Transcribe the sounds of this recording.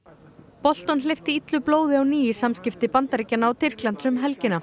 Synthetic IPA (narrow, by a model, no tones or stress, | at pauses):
pɔl̥t̪ɔnlɪft̪ɪit̪lʏploːwðɪawniːɪsamscɪft̪ɪpant̪aɾicːanaːwt̪ʰɪr̥klant̪sʏmɦɛlcɪnːa